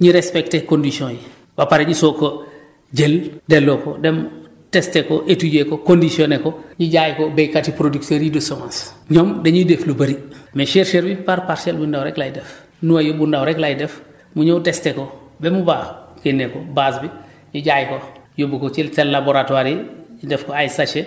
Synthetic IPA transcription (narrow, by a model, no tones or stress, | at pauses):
ɲiɾespektekondisiõji | bapaɾeɲisoko | ɟeldelːokodem | testekoʔetuɟekokondisionekoɲiɟajkobekatipɾodikteɾidusomãsɲomdeɲideflubaɾimeʃeɾʃeɾbipaɾpaɾselbundawɾeklajidef | nuwajobundawɾeklajdef | muɲoutesteko | bemubakenːekobasbi | ɲiɟaːjkojobukot͡ʃeltelːaboɾatwaɾiɲidefkoajsat͡ʃe